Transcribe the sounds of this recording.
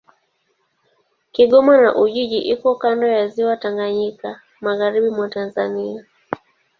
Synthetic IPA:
kiɠɔmanaʔuʄiʄiʔikɔkandɔjaziwataŋɡaɲika | maɣaɾiɓimwatanzania

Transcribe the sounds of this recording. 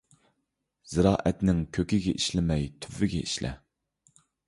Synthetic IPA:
z̥ɨɾɑːʔɛt̪nɪŋkʲʰøkʲɪɡʲɛʔiʃlɪmɛjt̪ʰyvːɪɡʲɛ̰ʔiʃlɛ̰

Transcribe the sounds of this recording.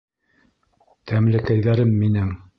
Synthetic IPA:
t̪ʰæmlɘ̆kæjðæɾɘmːinɘŋ

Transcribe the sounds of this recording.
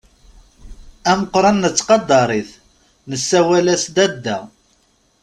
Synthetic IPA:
æməqɾˤɑnːət͡sːqɑd̪ːɑɾˤiθ | nəsːæwælæsd̪æd̪ːæ

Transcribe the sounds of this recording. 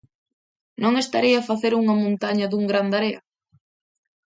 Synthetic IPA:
nõŋest̪aɾiafaθeɾuŋɐmõnt̪aɲɐðuŋɡɾand̪aɾeɐ

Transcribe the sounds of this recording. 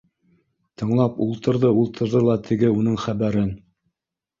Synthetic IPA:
t̪ʰɤ̆ɴlˠɑpulˠt̪ɤ̆ɾðɤulˠt̪ʰɤ̆ɾðɤlˠɑt̪ʰɘ̆ɡɘun̪ɤɴχæβæɾɘn

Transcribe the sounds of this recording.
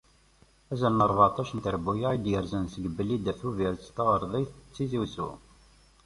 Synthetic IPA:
æzəlnəɾˤvɑt̪ˤɑʃənt̪əɾbujaid̪jəɾzənsəɡbəlid̪æθuviɾt͡st̪əʁəɾˤðˤijθət͡sːiziwsṵ

